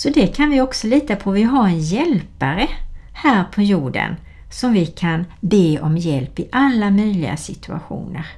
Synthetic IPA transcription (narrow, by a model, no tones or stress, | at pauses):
sɔd̪ɛkʰanvɪɔksɔliːt̪apʰɔvɪɦaɾɛnjɛlpaɾə | hæːɾpʰɔjuːɖə̰n | sɔmvɪkʰanbeːʔɔmjɛlpɪʔalːamœjlɪ̰ɡa̰sɪt̪ʰɵa̰ɧṵːnəɾ